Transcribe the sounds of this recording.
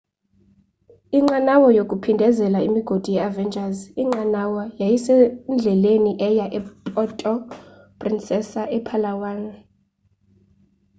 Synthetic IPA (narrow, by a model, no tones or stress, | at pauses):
iŋ͡ǃanawɔjokʼupʰindʱɛzɛlaimiɡ̥ʱod̥ʱujɛavɛnd͡ʒʱʼaziŋ͡ǃanawɔjajisɛnd͡ɮʱɛleniʔɛjaʔɛpʼɔtʼɔ | pʼrinsʼɛsaʔɛpʰalawaːna